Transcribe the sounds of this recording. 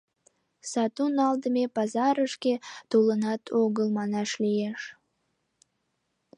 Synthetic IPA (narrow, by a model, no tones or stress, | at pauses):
sɑt̪unɑld̪əmepɑzɑɾəʃket̪olənɑt̪ʰoɣəlmɑnɑʃlijeʃ